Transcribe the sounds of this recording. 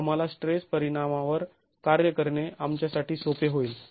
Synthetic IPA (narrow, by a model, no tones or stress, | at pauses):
am̤alasʈɾespəɾiɽ̃amaʋəɾ | kaɾjəkəɾɳeamt͡ɕjasaʈiːsopeɦoiːl